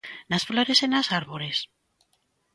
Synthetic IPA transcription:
nasfloɾe̞senasaɾβoɾe̞s

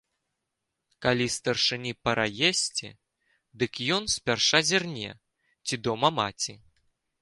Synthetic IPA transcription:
kalʲist̪ɐrʂɨnʲipɐɾajesʲt͡sʲḭ | d̪ɨkjɔnsʲpʲarʂazʲirnʲɛ̰ | t͡sʲid̪ɔmɐma̰t͡sʲi

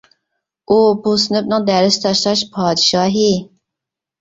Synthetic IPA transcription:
upʰosɨnɨpnɨŋd̪æɾɪst̪ʰɑʃlˠɑʃpʰɑːd̪ɨʃɑːɦi

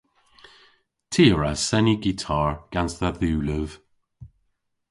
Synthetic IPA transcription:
tʰiːɹasɛniɡitʰaːɹɡ̥ansðəðuːləv̥

